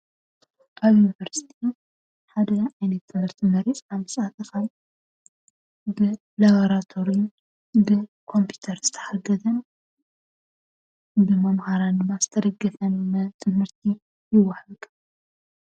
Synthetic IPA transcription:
ʔaβjunivɐɾsi̥t̪ʰi | ħad̪ɐajnɐt̪ːɨmɐɾt̪ʰɨmɐɾesʼaβmɨsʼat̪ʰʼɨxal | bɨ | laβoɾat̪ʰo̞ɾin | bɨkʰo̞mpʰju̥t̪ʰɐɾz̥ɨt̪ʰɐ̥ħaɡɐzɐn | bɨmɐmhaɾand̪ɨmːazɨ̥t̪ʰɐd̪ɐɡːɐfɐnːɐt̪ʰɨmhɨɾt̪ʰi | jɪwɐħɐlkʼ

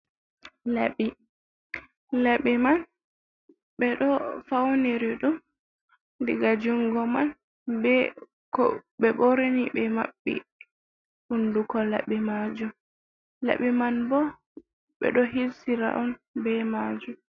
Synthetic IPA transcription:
laɓi | laɓiman | ɓɛɗɔfawniɾiɗum | diɡad͡ʒuŋɡɔman | bɛ | kɔɓɛɓɔɾeniɓɛma̰ɓːḭ | hundukɔla̰ɓimad͡ʒum | la̰ɓimanbɔ | ɓɛ̰ɗɔɦilsiɾa̰ʔɔnbɛmaːd͡ʒum

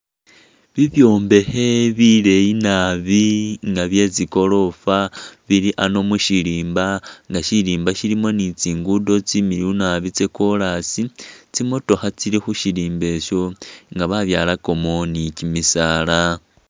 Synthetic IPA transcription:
βiβjo̞ːmbe̞he̞βile̞inaβiŋɡaβje̞t͡siko̞lo̞faβiɾiʔano̞muʃiliːmbaŋɡaʃiɾiːmbaʃiɾimo̞nit͡siːŋɡudo̞t͡simiɾiunaβit͡seko̞lasit͡simo̞to̞xat͡siɾixuʃiɾiːmbe̞ʃo̞ŋɡaβaβjaːlako̞mo̞nicimisala

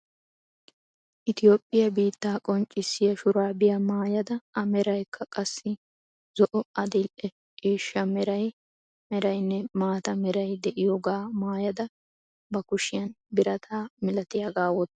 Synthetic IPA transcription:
ʔɪt̪ɪjoːpʼːɪjɐbiːt̪ːaːkʼɔnt͡ʃʼːɪsːɪjɐʃʊɾaːbɪjɐmaːjɐd̪ɐɐmɛɾɐjkʰːɐkʼɐsːɪ | zɔʔɔɐd̪ɪlʔɛ | kiːʃːɐmɛɾɐj | mɛɾɐjnːɛmaːt̪ɐmɛɾɐjd̪ɛʔɪjoːɡaːmaːjɐd̪ɐ | bɐkʊʃɪjɐnbɪɾɐt̪ʰaːmɪlɐt̪ɪjaɡaːwɔt̪ː

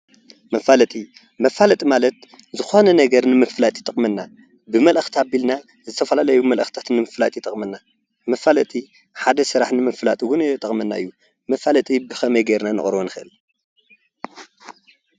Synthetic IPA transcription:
mɐfalɐt̪ʼi | mɐfalɐt̪ʼimalɐt̪̚ | zɨxonɐnɐɡɐɾnɨmɨfɨlat̪ʼit̪ʼɨχʼmɨnːa | bɨmɐlʔɐxt̪ʰabilna | zɨt̪ʰɐfɐlalɐjumɐlʔɐxt̪ʰḁt̪nɨmɨflat̪ʼit̪ʼɐχʼmɨnːa | mɐfalɐt̪ʼi | ħad̪ɐsɨɾaħnɨmɐfɨlat̪ʼiɡunɛt̪ʼɐχʼmɐnːa̰ɨ̰jːu | mɐfalɐt̪ʼibɨxɐmɐjɡɐɾnanɨ̰χʼɾwonɨxɨʔɨl

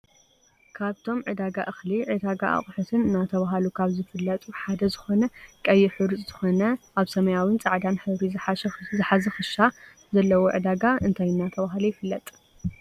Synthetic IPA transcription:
kʰaβt̪ʰo̞mʕɨd̪aɡaʔɨxliʕɨd̪aɡa̰ʔa̰χʼħɨt̪ʰɨnɨnːat̪ʰɐβaɦalukʰaβzɨfɨlːɐt̪ʼuħad̪ɐzɨxo̞nɐkʼɐjːɪħɨɾɨt͡sʼzɨxonɐʔaβsɐmɐjawint͡sʼaʕd̪anħɨβɾizɨħaʃzɨħazɐxɨʃa | zɐlːɐwoʕɨ̰d̪aɡaɨnt̪ʰajɨnːat̪ʰɐβaɦalujɪfɨlːɐt̪ʼ

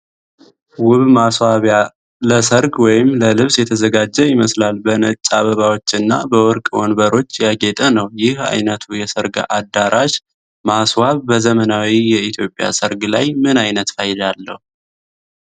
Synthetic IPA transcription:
wʊβmaswaβja | ləsəɾɡwɔjɪmləlɨβsjɛt̪ʰəzəɡad͡ʒːɛjɪməslalbənət͡ʃʼːaβəβawot͡ʃːɨnːa̰bəwɔɾkʼwɔnbəɾo̞t͡ʃːjaɡet̪ʼənəwjɪha̰jnət̪ʰujɛsəɾɡa̰ʔad̪ːaɾʔaʃ | maswaβbəzəmənawijɛit̪ʰjo̞pʼja̰səɾɡlajmɨnajnət̪fəjɪd̪alːəhu

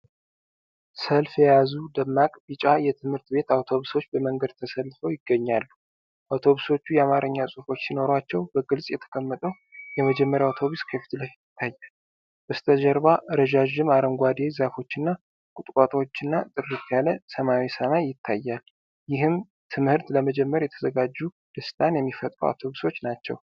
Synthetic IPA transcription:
səlfjɛjazud̪əmːakʼbit͡ʃʼajɛt̪ʰɨmhɨɾt̪be̞t̪awt̪ʰo̞βuso̞t͡ʃːbəməŋɡəd̪̚t̪ʰəsəlːfəwjɪɡ̥ːəɲːalːu | ʔawt̪ʰo̞βuso̞t͡ʃːujɛamaɾɨɲːasʼufo̞t͡ʃːsino̞ɾwat͡ʃːɛwbəɡɨlsʼjɛt̪ʰə̥kʼəmːət̪ʼəw | jɛməd͡ʒɛmːəɾjawt̪ʰo̞βuskʰəfi̥t̪ʰlafjɪt̪ʰːajːal | ʔɨst̪ʰəʒəɾβaʔɨɾəʒaʒɪmaɾəŋɡʷad̪e̞zafo̞t͡ʃːɪnːa | kʼut̪ʼkʼat̪ʼwot͡ʃːɪnːat̪ʼɨrːit̪jaləsəmawisəmajːɪt̪ʰːajːal | jɪhɨm | t̪ʰɨmhɨɾt̪ləməd͡ʒɛmːəɾjɛt̪ʰəzəɡad͡ʒːu | d̪̥ɨst̪ʼanjɛmːifət̪ʼɾuwa̰wt̪ʰo̞βuso̞t͡ʃːnat͡ʃːɛ̰w

